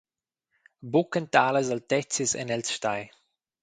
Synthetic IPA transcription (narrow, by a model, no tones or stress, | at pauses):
bukənt̪aːləzalt̪ɛt͡sisɛ̰nɛlsʃt̪aj